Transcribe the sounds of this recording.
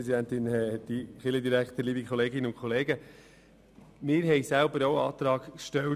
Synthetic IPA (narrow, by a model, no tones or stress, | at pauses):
ɛsidænt̪ɪnɛd̥iχɪləd̪iɾækt̪əliːbikʰχɔleːɡɪnəʊnkʰχɔleːɡə | mɪːɾɦɛjsælbəɾowɑ̰ːt̪ɾɑːɡ̥kʃtɛl